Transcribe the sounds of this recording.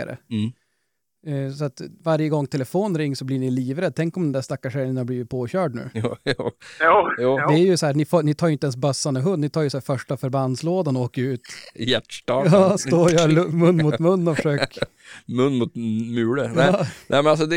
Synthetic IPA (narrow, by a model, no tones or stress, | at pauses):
a̰ɾə̰ | sɔat̪vaɾjəɡɔŋːt̪ʰɛləfoːnɾɪŋːsɔblɪɳɪliːvɾɛd̪̚t̪ʰɛŋkɔmd̪ɛnd̪æʂt̪akːaʂɛlənhabliːvɪt̪̚pʰoːɕœːɖnʉ̰ː | jɑːd̪ɛæɾjɵsɔhæːnɪfoːnɪt̪ʰɑːjʏɪnt̪əɛns̬bœsːand̪əɦɵnd̪nɪt̪ʰɑːɾjʉsæːɾfœʂʈafœɾbanːsloːd̪anoːkəɾʉ̟ːt̪jæʈʈɑːɑːsst̪oːjœːɾlmɵnːmuːt̪mɵnːɔfəʂøːk | mɵnːmʊt̪mʉːɭənɛːnʔɛmɛnalsɔd̪ɛ